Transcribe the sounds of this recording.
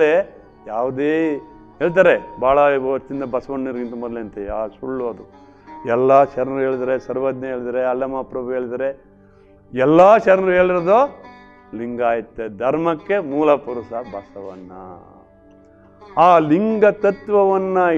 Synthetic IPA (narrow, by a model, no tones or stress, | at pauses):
e | jaːʋud̪eː | ɦeːɭt̪̬aːɾebaːɭɐɐt͡ʃːind̪ɐbɐsɐʋɐnːiɾɡint̪ɐmɔd̪leɐnt̪eaːsuɭːuɐd̪u | ɛlːaːʃɐɾnɾuɦe̞ːɭid̪aɾesɐɾʋɐd̪njɐɦeːɭid̪ɐɾeɐlɐmaːpɾɐbuɦeːɭid̪ɐɾe | ɛlːaːʃɐɾnɾuɦeːɭiɾod̪oː | liŋɡaːjɐt̪ːed̪ʱɐɾmɐkːe̞muːlɐpuɾusɐbɐsɐʋɐ̰nːɐ̰ | aːliŋɡɐt̪ɐt̪ʋɐʋɐnːɐ